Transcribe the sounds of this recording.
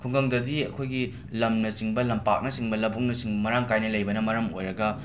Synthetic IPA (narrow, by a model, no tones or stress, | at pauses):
kʰuŋɡɐŋdɐdiɐ̰kʰojɡi | lɐmnɐsiŋbɐlɐmpak̚nɐsiŋbɐlɐbuŋnɐsiŋbɐmɐɾaŋkajnɐlɐjbɐnɐmɐɾɐmo̰jɾɐɡɐ